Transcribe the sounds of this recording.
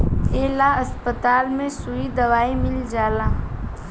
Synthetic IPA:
eːlaɐspət̪aːlmẽsuid̪ɐʋaːimɪld͡ʒaːlaː

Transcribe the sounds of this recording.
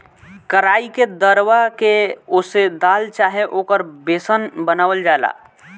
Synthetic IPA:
kəɾaːiked̪əɾwakeʊsed̪aːlt͡ʃaːɦeʔoːkəɾbeːsənbənaːwəld͡ʒaːla̰ː

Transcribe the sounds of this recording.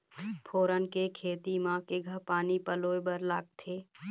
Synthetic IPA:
pʰoːɾənkekʰeːt̪imãːkeɡʱəpaːnipəloːebəɾlaːɡ̚t̪ʰeː

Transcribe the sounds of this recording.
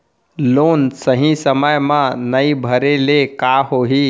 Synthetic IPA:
loːnsəɦĩsəməjmãnəibʱəɾelekaɦoɦi

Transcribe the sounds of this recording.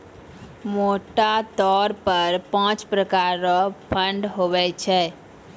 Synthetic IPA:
moʈat̪ɔɾpəɾpãt͡ʃpɾəkaɾɾɔpʰəɳɖɦobɛt͡ʃʰɛ

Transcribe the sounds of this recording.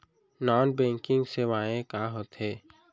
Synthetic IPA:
nɔːnbɛ̃ːŋkɪ̃ŋɡseʋaːẽkaːɦoːt̪ɦeː

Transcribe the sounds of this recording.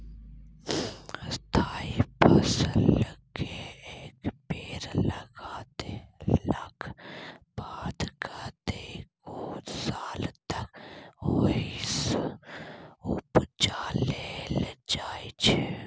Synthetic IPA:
st̪ʰaːipəslləɡeeːkpeːɾləɡaːt̪elək | baːd̪kʰat̪ekoːsaːlt̪əkois | ʊpt͡ʃaːleld͡ʒaːit͡ʃʰe

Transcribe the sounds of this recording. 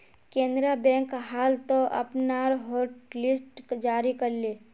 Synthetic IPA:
kẽːnd̪ɾabɛ̃ːŋkɦaːlt̪oʔɐ̰pnaːɾɦoːɾʈlɪsʈd͡ʒaːɾikəɾleː

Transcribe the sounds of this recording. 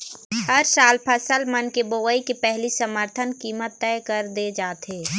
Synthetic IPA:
həɾsaːlpʰəsəlmənkeboːʋəikepɛɦlisəməɾt̪ʰənkiːmət̪ːɛːkəɾd̪ed͡ʒaːt̪ɦeː

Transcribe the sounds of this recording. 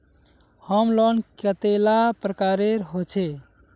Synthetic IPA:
həmlɔnkət̪elapɾəkaɾeɾɦot͡ʃʰe

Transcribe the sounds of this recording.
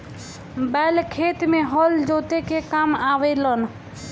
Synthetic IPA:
bɛlkʰet̪meɦəld͡ʒot̪ekekamabələn

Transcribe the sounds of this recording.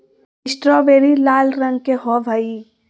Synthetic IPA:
ɪsʈɾɔʋeːɾilaːlɾɐ̃ŋɡ̚keɦɔbʱai

